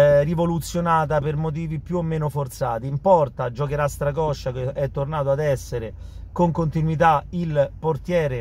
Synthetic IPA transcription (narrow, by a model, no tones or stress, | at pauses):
rivolut̪sːjonaːt̪̬apermot̪̬iːvipjuomːeːnofort̪sa̰ːt̪iːmpɔrt̪ad͡ʒokeɾast̪ɾaɡɔʃːakeɛt̪ːornaːt̪oad̪ɛsːeɾe | koŋkont̪inwit̪ailport̪jɛːɾe